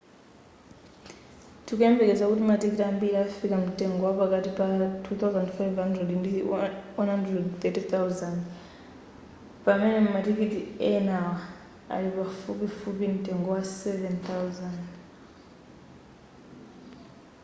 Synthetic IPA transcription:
tʰikuɛmbɛkɛzakutimatikitambiɾiafikamutɛŋɡɔwapakatipatʰuθawzandfajvhandrɛdndiwanhandrɛdθɛtiθawzand | pamɛnɛmmatikitiɛnawa | a̰lipafupifupim̩tɛŋɡɔwasɛvɛnt̪awzand

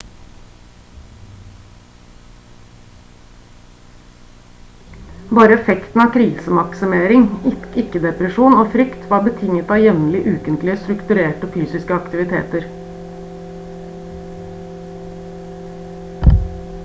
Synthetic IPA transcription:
bɑːɾəɛfɛkt̪n̩ɑːkʰɾiːsəmɑksʏmeːɾɪŋɪɪkːəd̪ɛpɾəʃuːnoːfɾʏkt̪ʰʋɑːbət̪ʰɪŋət̪ɑːjɛʋnəlɪʔʉːkənt̪lɪəst̪ɾʉkt̪ʉɾeːʈəfyːsɪskəɑkt̪ɪʋɪt̪ʰḛːt̪əɾ

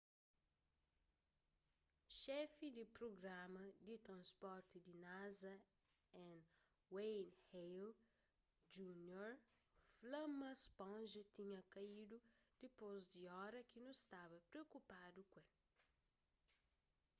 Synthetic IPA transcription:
ʃɛfid̪ipɾoɡɾamɐd̪it̪ɾɐ̃spɔɾt̪id̪inazɐ | ɛ̃n | wejnhejl | d͡ʒunjoɾflɐ̃mɐspõʒɐt̪ĩɲɐkaid̪ud̪̥ipozd̪iɔɾɐkinũst̪avɐpɾeokupad̪ukwẽl

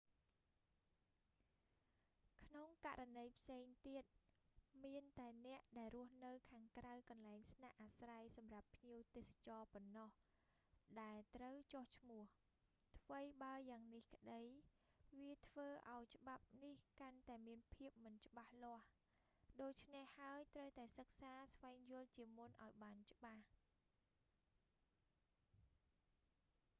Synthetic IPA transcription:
kʰnoŋkaʔɾanəjpʰseːŋt̪iət̪̚miənt̪aɛnɛ̆əʔɗaɛlrʊ̆əhnɨwkʰaːŋkrawkɑnlaɛŋsnaʔaːsrajsɑmrapʰːɲiəwt̪eːsḁt͡ɕɑːponːɑh | ɗaɛlt̪rəwt͡ɕoht͡ɕʰmʊ̆əh | t̪ʰʋəjɓaəjaːŋnihkə̆ɗəj | ʋiət̪ʰʋəːʔaɔjt͡ɕə̆ɓap̚nihkant̪aɛmiənpʰiəp̚mɨnt͡ɕə̆ɓahlŏəh | ɗoːc̚t͡ɕʰnehhaəjt̪rəwt̪aɛsək̚saːsʋaɛŋjʊ̆əlt͡ɕiəmunʔaɔjɓaːnt͡ɕə̆ɓah

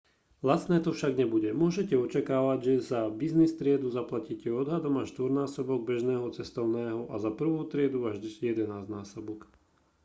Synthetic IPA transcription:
lasnɛːt̪ɔfʃaɡɲɛbuɟɛmʊɔʒɛcɛɔt͡ʃakaːʋaɟʒɛzabiznist̪ɾɪɛd̪uzaplaciːcɛɔd̪ɦad̪ɔmaʃt̪ʋɔɾnaːsɔbɔɡ̚bɛʒnɛːɦɔt͡sɛst̪ɔʊnɛːɦɔʔazapr̩ʋuʊt̪ɾɪɛd̪uaʒd̪ijɛd̪ɛnaːznaːsɔbɔk

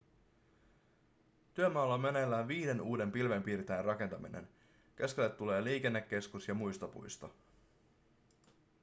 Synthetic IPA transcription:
t̪yømɑːlːɑmːenelːæːnʋiːde̞nuːde̞mpilʋe̞mpiːrt̪eːrɑke̞nt̪ɑminḛn | k̟e̞sk̟e̞lːe̞t̪ːule̞ːliːk̟e̞nːekːe̞skusjɑmujst̪opṵjst̪ɑ

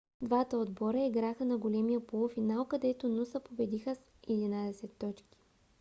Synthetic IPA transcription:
d̪vat̪əod̪bɔɾəiɡɾaxənɐɡolɛmijəpolˠofinaokɐd̪ɛt̪onusəpobɛd̪ixəs | ɛd̪inad̪ɛsɛt̪ːɔt͡ʃki̥

